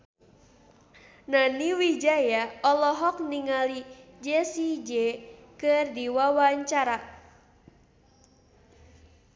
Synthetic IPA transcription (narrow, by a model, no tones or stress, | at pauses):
naniwid͡ʒajaɔlɔɦɔk̚niŋalid͡ʒɛsid͡ʒɛkɨrdiwawaɲt͡ʃaɾa